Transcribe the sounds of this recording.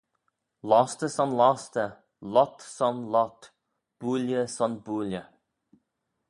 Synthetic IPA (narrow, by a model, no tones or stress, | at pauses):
lɔst̪əsɑnlɑst̪ə | lɔt̪sɔnlɔt̪ | b̥uːljəsɔnbuːljə